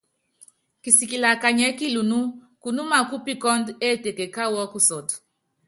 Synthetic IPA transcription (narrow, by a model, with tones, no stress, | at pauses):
ki˨si˨ki˨la˨ka˨ɲɛ˨˦ki˦lu˨nu˦ | ku˨nu˦ma˨ku˦pi˦kɔ˦nde˦˨te˨ke˨ka˦wɔ˦ku˦sɔ˨t